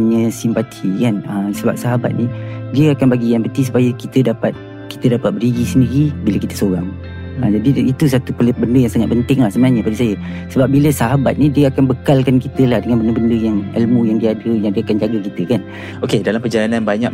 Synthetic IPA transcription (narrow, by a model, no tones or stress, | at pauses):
ɲəsimpat̪ʰikanəmsəba̰p̚saɦaba̰t̪̚nidiəakanbaɡijaŋpət̪is̬u̥pajəkit̪ədapat̪̚ | ki̥t̪ədapat̪̚bəriɡisəndiɾibiləkit̪ə̥soɾaŋ | ə̰d͡ʒadiit̪us̬at̪upəbəndəjaŋsaŋat̪̚pənt̪ɪŋlahsəbənaɲəpadisajəsəbap̚biləsaɦabat̪̚nidiəakanbəkalkankit̪əlahdəŋanbəndəbəndəjaŋə̰lmũjaŋdiadəjaŋdiəakand͡ʒaɡakit̪əkan | okedalampəd͡ʒalananbaɲak̚